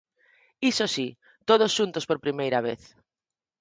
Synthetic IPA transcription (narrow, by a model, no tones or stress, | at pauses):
isosi | t̪oð̞osʃunt̪ospoɾpɾimejɾaβ̞eθ